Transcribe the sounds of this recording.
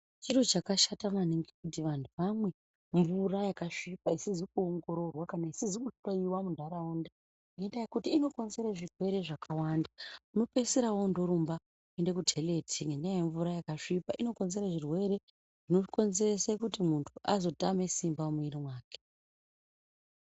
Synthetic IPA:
t͡ʃiɾot͡ʃakaʃatamaniŋɡikutiʋantʰuʋamwe̞ | ɱvurajakaʂipaisizikuoŋɡo̞ɾo̞rwakanaisizikutoiwamundʱaɾaunda | ŋɡendajekutiːno̞ko̞nze̞ɾaʐirwe̞ɾe̞ʐakʰawandauno̞peseɾawondo̞ɾumba | pende̞k̬utʰe̞le̞tʰiŋɡendajeɱvuɾajakaʂipaʔino̞ko̞nzeɾaʐirwe̞ɾe | ʐ̥ino̞ko̞nzeresakutimuntʰuʔazo̞dʱame̞simbamuiɾimwaːke

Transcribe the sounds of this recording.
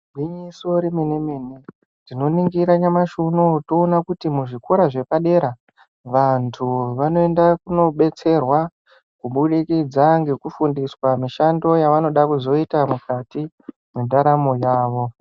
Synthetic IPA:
ɡʱwiɲisoɾiminemiːne | dino̞niŋɡiɾaɲamaʃunoto̞ːnakutimuʐikoɾaʐe̞paɗe̞ɾa | ʋantʰuʋano̞e̞ndakuno̞ɓe̞t͡se̞rwa | kuɓuɗikid͡zaŋɡe̞kufundiswamiʃando̞jaʋano̞ɗakuzo̞itamukati | mwendaɾamo̞jaːʋo̞

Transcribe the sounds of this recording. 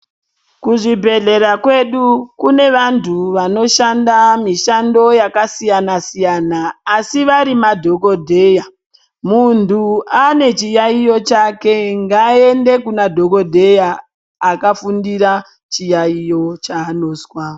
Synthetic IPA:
kuʐibʱe̞ɮe̞ɾakwe̞ɗukune̞ʋantʰuʋano̞ʃandamiʃando̞jakasijanasijanaːsiʋaɾimadʱo̞ko̞dʱe̞ja | muntuane̞t͡ʃijaijo̞t͡ʃake̞ŋɡae̞nde̞kunadʱo̞ko̞dʱe̞jaː | kafundiɾa | t͡ʃijaijo̞t͡ʃaːno̞ːswa

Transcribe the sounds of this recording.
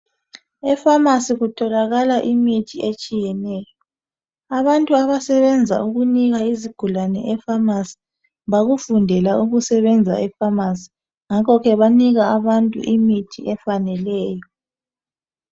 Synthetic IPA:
ɛfamasiɣutʰɔlaɣalaʔimitʰiet͡ʃʼijɛnɛjɔ | aβantʼuaβasɛβɛnd͡zʱa̰uɣuniɣaiziɡ̥ʱulanɛʔɛfamasi̥ | βaɣufundʱɛlauɣusɛβɛnd͡zʱa̰ɛfamasi̥ | ŋakɔɣɛβaniɣaːβantʼṵʔimitʰiʔɛfanɛlɛːjɔ

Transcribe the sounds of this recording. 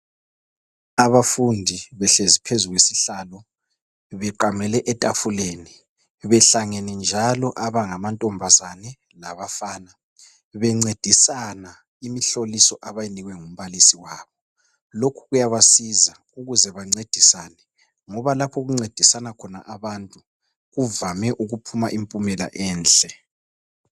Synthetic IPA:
aβafundʱiβɛɬezipʰezuɣwesiɬalɔ | βɛǃamɛlɛʔɛtʼafuleːni | βɛɬaŋɛnɛnd͡ʒʱalɔʔaβaŋamantʼɔmbʱazanɛ | laβafaːna | βɛŋ͡ǀed̥ʱisana | imiɬolisɔʔaβajiniɣwɛŋum̩βalisiwaːβɔ | lokʰu̥ɣujaβasiza | uɣuzɛβaŋ͡ǀed̥ʱisanɛ | ŋɔβalapʰɔɣuŋ͡ǀed̥ʱisanakʰɔnaʔaβantʼu | ɣuvamɛʔuɣupʰumaʔimpʼumɛla̰ʔɛːnɬɛ

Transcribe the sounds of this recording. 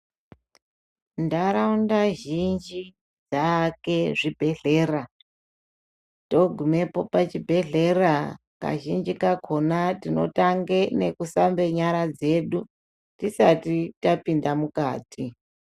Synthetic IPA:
ndaɾaundaʒind͡ʒi | d͡zake̞ʐibʱe̞ɮe̞ːra | to̞ɡʱume̞po̞pat͡ʃibʱe̞ɮe̞ra | ka̰ʒind͡ʒikakʰo̞natino̞̰taŋɡe̞ne̞kusambe̞ɲaɾad͡ze̞ɗu | tisatitapindamuka̰ːtʰi

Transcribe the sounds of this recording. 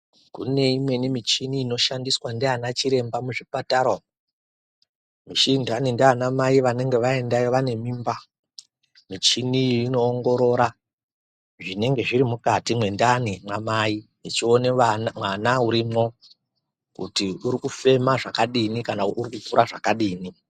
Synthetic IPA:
kṵne̞imwe̞nimit͡ʃiniːno̞ʃandiswandianat͡ʃiɾe̞mbamuʐipataɾo | miʃindanindianamaiʋane̞ŋɡe̞ʋae̞ndajoʋane̞miːmba | mit͡ʃiniino̞ːŋɡo̞ɾo̞ɾa | ʐine̞ŋɡe̞ʐiɾimukatimwe̞ndanemamaːinit͡ʃio̞neanmwanauɾimo̞ | kutiuɾikufe̞maʐakaɗinikanaurikukuɾaʐakaɗiːni

